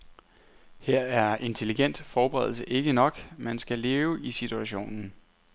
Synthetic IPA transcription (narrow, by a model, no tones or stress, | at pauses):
heɐ̰æɐe̝nt͡sʰe̝liɡ̥en̰d̥fɒːb̥əʁɛ̰ð̰ˠl̩səʔe̝ɡ̥ənɒ̽ɡ̥mænsɡ̥æle̝ːʊəisit͡sʰuæɕo̝̰ːnn̩